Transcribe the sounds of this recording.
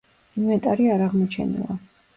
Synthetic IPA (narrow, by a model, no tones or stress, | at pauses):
imɛt̪ʼaɾiaɾaʁmɔt͡ʃʰɛ̰nḭlˠa